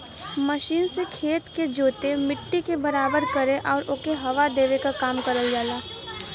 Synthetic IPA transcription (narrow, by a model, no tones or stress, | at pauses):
məʃiːnsekʰeːt̪ked͡ʒoːt̪emɪʈːikebɐɾaːbəɾkɐɾeʔɔːɾʊkeɦɐʋad̪eːʋekakaːmkɐɾəld͡ʒaːlaː